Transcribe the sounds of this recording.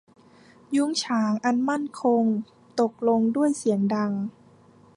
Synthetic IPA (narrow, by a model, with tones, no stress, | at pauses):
ju˧˥˩ŋt͡ɕʰaː˩˦ŋʔa˧nma˥˩nkʰo˧ŋ | t̪o˨˩k̚lo˧ŋdu˥˩əjsi˩˦əŋda˧ŋ